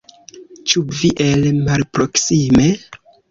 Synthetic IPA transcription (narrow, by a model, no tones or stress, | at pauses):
t͡ʃuviʔelmalpɾo̞ksime̞